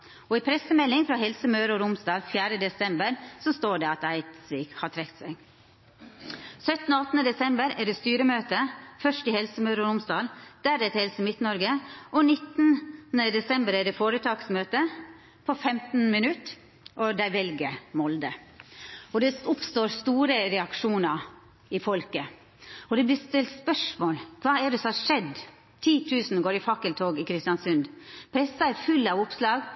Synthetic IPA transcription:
ɔiːpʰɾɛsəmɛlːɪŋfɾɑhɛlsəmœːɾɔɾʊmsd̪ɑːlfjæːɾəd̪ɛsɛmbəɾsɔst̪oːɖɛɑt̪æɪt̪sʋiːkhɑʈʰɾɛkt̪sæɪɡ | sœt̪n̩ɔɑt̪nəd̪ɛsɛmbəɾæɖeːst̪yːɾəmøːt̪əfœʂʈɪhɛlsəmœʉɾəɾʊmsd̪ɑːld̪̥æːɾɛt̪hɛlsəmɪt̪nɔɾɡəʔɔnɪt̪nnəd̪ɛsɛmbəɾæɖefoːɾət̪ʰɑːksmøːt̪ə | pʰɔfɛmt̪n̩mɪnʉt̪ | ʔɔd̪æɪʋɛlɡəmɔld̪ə | ɔd̪ɛʊpst̪oːɾst̪uːɾəɾɛɑkʂuːnɑɾ | ɪfɔlkə | ɔd̪ɛblɪst̪ɪlt̪spœʂmoːlkʰʋɑːɛɖɛsɔhɑɾʂɛd̪ | t̪ʰiːt̪ʰʉːsn̩ɡoːɾɪfɑkːəlt̪ʰoːɡɪkʰɾɪst̪ɪjɑnsʉnd̪pʰɾɛsɑɛɾfʉlːɑʋʊpslɑːɡ

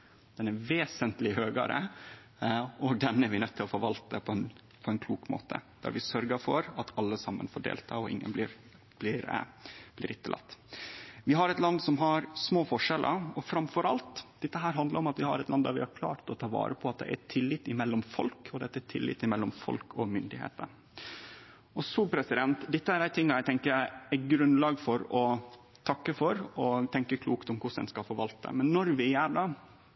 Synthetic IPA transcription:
d̪̥ɛnæɾʋeːsənt̪lɪhøːɡɑ̰ɾə̰ | ɔɡd̪ɛnæɾʋɪnœt̪ːɪlɔfɔɾʋɑlt̪əpʰɔɛn | pʰɔɛnkʰluːkmo̰ːt̪ə̰d̪̥æ̰ɾʋɪsœɾɡəfɔɾɑt̪ʰɑlːəsɑmːə̰nfɔɖḛːlt̪ʰɑɔʔɪ̰ŋːə̰nblɪɾ | b̥lɪɾblɪɾɪt̪ːəlʔɑ̰t̪ː | ʋɪɦɑɾɛt̪lɑnd̪sɔmɦɑɾsmoːfɔʂɛlʔə̰ɔfɾɑmfɔɾɑlt̪d̪ɛt̪ːəɦæːɾɦɑnd̪ləɾɔmɑt̪ʋɪhɑ̰ɾɛt̪lɑnd̪ɑɾʋɪhɑɾkʰlɑ̰ːɾt̪ɔt̪ʰɑːʋɑ̰ːɾəpʰɔɑt̪̚d̪ɛ̰ʔæ̰t̪ʰɪlːɪt̪ːɪmɛlːɔmfɔ̰lkʰɔd̪ɛɛt̪ːt̪ʰɪlːɪ̰t̪ːɪmɛlːɔmfɔ̰lkʰɔmʏnd̪ɪhḛːt̪ə | ɔsuːpʰɾɛsɪd̪ɛnt̪d̪ɪt̪ːəæɾæɪt̪ʰɪŋːɑɾæɪɡt̪ɛŋkəɾæɪæɡɾʉnlɑːɡfɔɾɔ | t̪ʰɑkːəfɔɾɔt̪ʰɛŋkəkʰluːkt̪ɔmkʰʊʂɛ̰nskɑlfɔɾʋɑlt̪ːə̰mɛnːɔɾʋɪæɖɑː

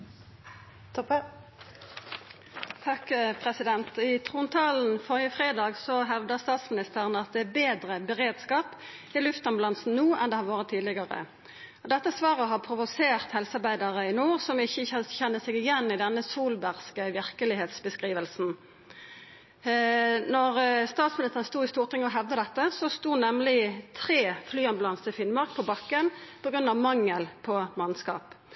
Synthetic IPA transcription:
t̪ʰɔp | t̪ʰɑkəpʰʁɛsɪd̪ɛnt̪ɪt̪ʰʁuːnt̪ʰɑːln̩fɔʁɪəfʁeːd̪ɑːɡsɔɦɛlʋd̪əst̪ɑːt̪smɪnɪst̪əʁənəɑt̪̚d̪ɛæbeːd̪ʁəbəʁeːd̪skɑːp | ɪlʉft̪ɔmblɑnsn̩nuːʔɛnd̪eːhɑːɾʋoːʁət̪ʰːiːd̪lɪɡɑʁə̰ | ɔd̪ɛt̪ːəsʋɑːʁəɦɑpʰʁʊʋʊseːʁt̪hɛlsɑɾbæɪd̪ɑʁəɪnuːʁsɔmɪçːəçɛnːəsɛɡɪjɛnːɪd̪ɛnːəsuːlbæʁskəʋɪʁkəlɪɦeːt̪sbəskʁiːʋəlsn̩ | nɔʁst̪ɑːt̪smɪnɪst̪əʁənst̪uːɪst̪uːʁt̪ʰɪŋɔɦɛʋd̪əd̪ɛt̪ːəsɔst̪uːnɛmlɪt̪ʰʁeːflyːɑnblɑnst̪ɪfɪnmɑʁk̚pʰɔbɑkːənpʰɔɡɾʉnɑʋmɑŋːəlpʰɔmɑnskɑ̰ːp

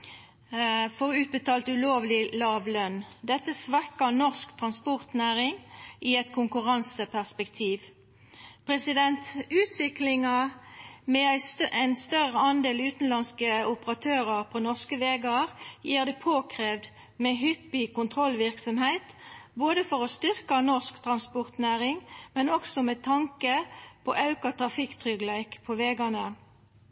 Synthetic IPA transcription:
fɔʁʉːt̪̚bət̪ʰɑːlt̪ʉloːʋlɪlɑːʋlœnd̪ɛt̪ːəsʋækənɔʁskt̪ʰʁɑnspɔʁt̪næːʁɪŋiɛt̪kʰʊŋkʉʁɑnsəpʰæʁspɛkt̪ʰiːʋ | pʰʁɛsɪd̪ɛnt̪ʉːt̪ʰʋɪklɪŋɑ | mɛæɪæɪnst̪œʁəɑnd̪eːlʉːt̪n̩lɑnskəʊpəʁɑt̪ʰøːʁɑʁpʰɔnɔʁskəʋeːɡɑʁjiːʁd̪ɛpʰoːkʰʁeːʋd̪ | mɛɦʏpːɪkʊnt̪ʰʁɔlʋɪʁksɔmheɪt̪boːd̪əfɔʁost̪ʏʁkənɔʁskt̪ʰʁɑnspɔʁt̪næːʁɪŋmɛnɔɡsɔmɛt̪ʰɑŋkəpʰɔ̰ʔɑʉkɑt̪ʰʁɑfɪkt̪ʰʁʏɡlæɪkpʰɔʋeːɡɑnə

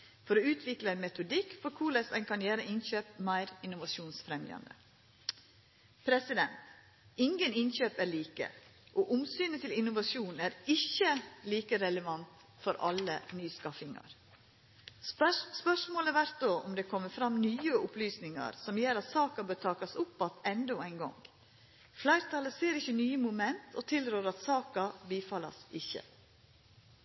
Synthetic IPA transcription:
fɔɾoːʉːt̪ʰʋɪkləɛɪnmɛt̪ʊd̪ɪkːfɔɾkʰuːɭɛsæɪnkʰɑnjæːɾəɪnçøːpmæɪɾɪnʊʋɑʃuːnsfɾɛmjɑ̰nd̪ə̰ | pʰɾɛsɪd̪ɛnt̪ | ɪŋɡənɪnɕøːpæːɾɭiːkə̰ʔoːʔʊmsyːnət̪ʰɪlɪnʊʋɑʃuːnæːɾɪçːəliːkəɾɛləʋɑnt̪ | fɔɾʔɑ̰lənyːskɑfɪŋɑ̰ɾ | spœʂmoːləʋæɾt̪̚d̪oːʔʊmd̪ɛkʰɔmːəfɾɑmnyːəʊplyːsnɪŋɑ̰ɾsɔmjeːɾɑt̪sɑːkɑbøːɾt̪ʰɑːkɑsʊpːɑt̪ɛnd̪ɔæɪnɡɔ̰ŋɡ | flæɪɾt̪ʰɑləseːɾɪçːənyːəmʊmɛnt̪ʰɔt̪ʰɪlɾøːɾɑt̪sɑːkɑbiːfɑlɑ̰sɪçːə̰

